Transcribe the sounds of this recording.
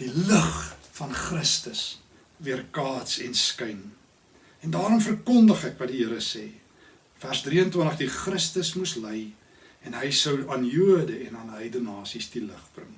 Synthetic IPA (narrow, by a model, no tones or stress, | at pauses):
d̥iləχfɐnχrəstəs | viərkɑːtsɛnskəjn | ɛndɑːɾɔmfərkɔndəχækvɐtdiɦəəɾəsɛː | færzdriəntwəntəχdiχrəstəsmusləj | ɛnɦəjsəwɑːnjuədəɛnɑːnɦəjdənɑːsisdiləχb̥rə̰ŋ